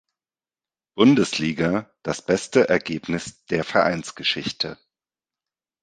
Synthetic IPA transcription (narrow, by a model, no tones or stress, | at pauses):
b̥ʊndəsliːɡad̥asb̥ɛstəʔɛɐɡeːpnɪsd̥eːɐfɛɐʔa̰ɪnt͡sɡ̥əʃɪçtʰə